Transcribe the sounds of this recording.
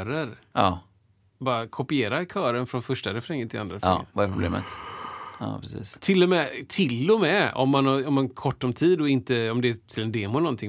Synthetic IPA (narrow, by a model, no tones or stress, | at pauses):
ɾəɾɑː | bɑːɾakʰɔpɪeːɾakʰœːɾənfɾɔnfœʂʈaɾɛfɾɛŋːənt̪ʰɪand̪ɾaɾɛfvaɛpɾʊblḛːmə̰t̪ | ɑ̰ːpʰɾɛsḭːst̪ʰɪlːɔmɛt̪ʰɪlːɔmɛɔ̰mːanaɾɔmɛnkʰɔʈːɔmt̪ʰiːd̪ɔɪnt̪əɔmd̪ɛːt̪ʰɪlɛnd̪eːmʊnɔnt̪ʰɪŋ